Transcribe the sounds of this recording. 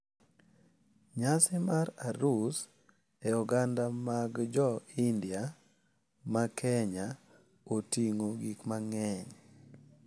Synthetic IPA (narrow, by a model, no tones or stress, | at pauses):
ɲasɪmaɾaɾus | eɔɡandamaɡd͡ʒɔindia | makʰɛɲa | otiŋoɡikmaŋɛɲ